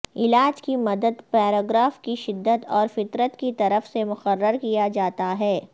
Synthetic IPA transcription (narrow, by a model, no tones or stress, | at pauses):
ɪlaːd͡ʒkimɐd̪əd̪pɛːɾoːɡɾaːfkiʃɪd̪ːət̪ɔːɾfɪt̪ɾət̪kit̪ɐɾəfsemʊqərːəɾkijad͡ʒaːt̪aɦɛː